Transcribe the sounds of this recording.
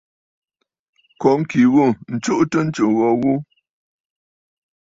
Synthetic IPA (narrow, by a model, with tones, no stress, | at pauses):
kɔ˨ŋ̩˦ki˨ɣu˦˨n̩˨t͡ʃu˦ʔtə˦n̩˦t͡ʃu˨ɣɔ˦˨ɣu˦